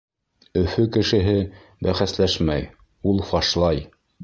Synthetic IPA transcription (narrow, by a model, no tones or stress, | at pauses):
ɵ̆fɵkɘ̆ʃɘ̆ɦɘ | bæχæslæʃmæj | ulˠfɑʃlˠɑj